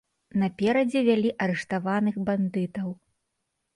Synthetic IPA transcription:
nɐpʲɛɾɐd͡zʲɛvʲalʲiʔɐɾɛʂt̪avanɨxband̪ɨt̪ɐw

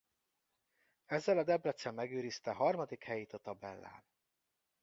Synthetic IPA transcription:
ɛzːɛlɒd̪ɛblɛt̪sːɛmːɛɡøːɾist̪ɛɦɒrmɒd̪ikhɛjeːt̪ɒt̪ɒbɛlːa̰ːn

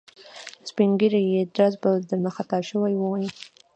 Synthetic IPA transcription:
spiŋɡiɾajed̪ɾazbad̪əɾməxat̪ɑʃəwajwəwji

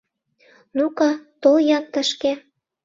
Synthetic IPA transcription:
nukɑt̪oljɑnt̪ə̆ʃke

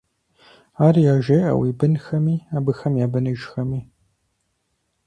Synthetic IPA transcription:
aːrjaːʒɐjʔɐ̰wiːbɨnxɐmiːaːbɨxɐmjaːbɐnɨʒxɐmiː

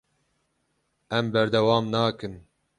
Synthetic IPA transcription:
ɛmbɛɾd̪ɛwɑːmnaːkɨn

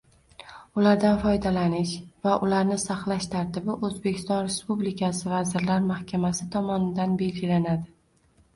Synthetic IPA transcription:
ʊlaɾd̪anfɒjd̪alanɪʃvaʔʊlaɾnɪsaχlaʃt̪ʰaɾt̪ʰɪbɪʔɵzbe̞kʲʰɪ̥st̪ɒnɾe̞spublikʰasɪvazɪɾlaɾmahkʲʰamasɪt̪ʰɒmɒnɪd̪anbe̞lɡʲɪlanad̪ɪ

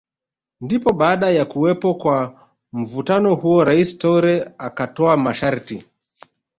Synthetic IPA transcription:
ndipɔɓaːɗajakuwɛpɔkwa | m̩vutanɔhuɔɾaistɔuɾɛakatɔamaʃaɾti

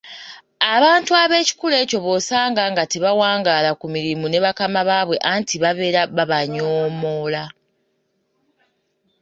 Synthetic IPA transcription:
aβaːntuaβe̞ːci̥kule̞ːco̞βo̞saːŋɡaŋɡateβawaːŋɡalakumiɾimune̞βakamaβaːβwe̞ʔaːntiβaβe̞ɾaβaβaɲoːmo̞ːla

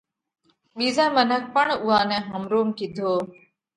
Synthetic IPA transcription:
ɓiːzãːmənək̚ʰpəɳʊɦãːnɛ̃ːɦəmɾoːmkid̪ʱoː

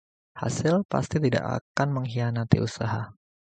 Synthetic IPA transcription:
ha̰sɪlpa̰st̪it̪ida̰ʔa̰kanməŋɦianat̪ḭʔusaɦa

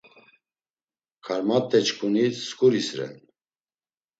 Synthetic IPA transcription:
kʰaɾmat̪ʼːɛt͡ʃkʰʼuniskʼuɾisɾɛ̰n

